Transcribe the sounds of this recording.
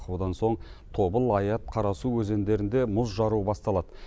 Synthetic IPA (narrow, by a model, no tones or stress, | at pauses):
qud̪ɑnso̞ɴt̪ʰo̞bəlˠɑjɑt̪̚qʰɑɾɑsuwɵze̞nd̪e̞ɾɪnd̪e̞mʊzʒɑɾuəbɑst̪ɑlˠɑd̪̥ə